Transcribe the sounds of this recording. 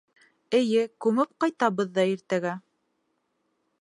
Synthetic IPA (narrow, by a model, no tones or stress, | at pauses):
ɘ̆jɘkʉmɘp̚qɑjt̪ɑβɤðːɑiɾt̪æɡæ